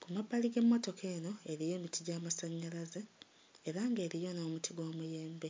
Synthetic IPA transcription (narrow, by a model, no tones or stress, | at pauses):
kumabːaliɡe̞mːoto̞kʰe̞ːno̞e̞ɾijo̞ːmitiɟaːmasaɲːalaze | eɾaŋɡe̞ːɾijo̞noːmutʰiɡwoːmuje̞ːmbe̞